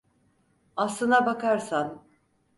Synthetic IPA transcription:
aslˠɯnabakaɾsan

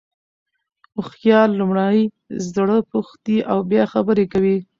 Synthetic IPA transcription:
ʊxjɑlːumɽaj | zd̪aɽəpuxt̪iʔawbjɑxabəɾekawi

